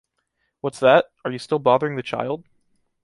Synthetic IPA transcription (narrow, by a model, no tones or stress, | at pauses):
wʌtsðət̚ə˞jɨstɪlˠbɑðə˞ɪ̃ŋðɨt͡ʃʰa̰ɪlˠd̥̚